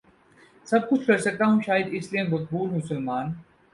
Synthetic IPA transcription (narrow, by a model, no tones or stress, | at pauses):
sɐb̚kʊt͡ʃʰkɐɾsɐk̚t̪aɦũʃaːjəd̪ɪsliẽmɐq̚buːlmʊsəlmaːn